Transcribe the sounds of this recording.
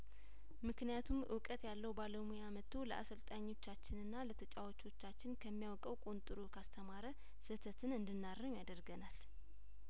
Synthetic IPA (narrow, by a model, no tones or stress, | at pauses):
mɨknijat̪ʰumʔɨ̰wkʼət̪jalːəwbaləmujamət̪ʰːoləʔa̰səlt̪ʼaɲːo̞t͡ʃːat͡ʃːɪnɨnːalət̪ʰət͡ʃʼawot͡ʃːo̞t͡ʃːat͡ʃːɪnkʰəmːijawkʼəwkʼont̪ʼɨɾokʰast̪ʰəmaɾə | sɨt̪ʰət̪ʰɨnɨnd̪ɨnːarːəmjad̪əɾɡənal